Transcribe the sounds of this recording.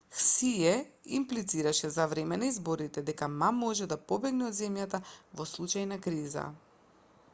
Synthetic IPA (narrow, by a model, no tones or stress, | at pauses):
xsijɛḭmplit̪siɾaʃɛzavɾɛmɛnaizboɾit̪ɛd̪ɛkamamːɔʒɛd̪apɔbɛɡnɛɔd̪zɛmjat̪avɔslˠut͡ʃajnakɾiza̰